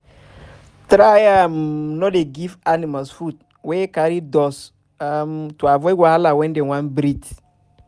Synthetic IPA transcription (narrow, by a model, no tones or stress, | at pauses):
tɾajamnɔdeɡivanimalsfut̚ | wekaɾidɔs | amtuavɔjwalawɛndewãnbɾit